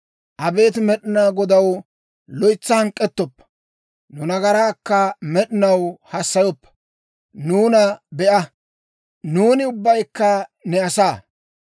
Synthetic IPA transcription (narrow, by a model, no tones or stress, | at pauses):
ʔɐbe̞ːt̪mɛɗɪnaːɡɔd̪ɐw | lɔjt͡sːɐhɐŋkʼːɛt̪ːɔpːɐ̥ | nʊnɐɡɐɾaːkːɐmɛɗɪnɐwhɐsːɐjɔpːɐ̥ | nuːnɐbɛʔɐ | nuːnɪʊbːɐjkːɐnɛɐsaː